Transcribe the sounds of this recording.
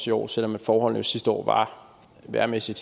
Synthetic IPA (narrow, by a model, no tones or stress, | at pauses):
siɒ̰ːsel̰ɒ̽mːænfɒːɦɒ̽l̰nəjo̝sisd̥əɒ̰ːʋɑ̈ | ʋæːɐmesid̥